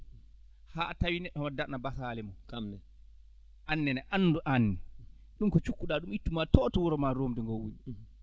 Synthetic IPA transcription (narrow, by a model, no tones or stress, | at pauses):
haːtawinɛɗːɔmadanabasaːlɛmɔkɛ | ʔanːɛnɛʔanːduʔanːɛ | ɗumkɔt͡ʃukːuɗaɗumitːumatɔːtɔwɔɾɔmaɾoːmdɛŋɡowːuni